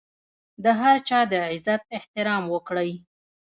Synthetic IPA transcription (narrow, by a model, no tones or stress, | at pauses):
d̪əɦaɾt͡ʃɑd̪əʕɪzat̪̚ɪht̪ɪɾɑmwəkɽəj